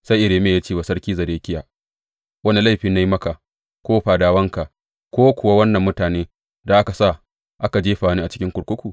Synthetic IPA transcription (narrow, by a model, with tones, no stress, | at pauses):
sa˦jʔɪ˨ɽeː˨meː˨jaː˦t͡ʃeː˦˨wa˨sɐ˦ɽkʲiː˦zɐ˨ɾeː˦kʲɪ˦jaː˨ | wɐ˦ni˦la˦˨ɸiː˨na˦ji˦mɐ˦ka˨ʔ | kʷoː˦ɸaː˨daː˦wɐ˦ŋka˨ | kʷoː˦kʷʊ˨wa˦wɐ˦nːɐ˨mːʊ˦taː˨neː˦ | da˨ʔa˦ka˨sa˦˨ | ʔa˦ka˨d͡ʒeː˦ɸaː˨niː˦ʔt͡ʃɪ˦kʲɪ˦ŋkʷʊ˨kʷʊ˦kʷu˨